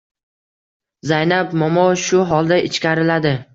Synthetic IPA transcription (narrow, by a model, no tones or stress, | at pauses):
zajnapmɒmɒʃʊɦɒlˠd̪aʔɪt͡ʃkʲaɾɪlad̪ɪ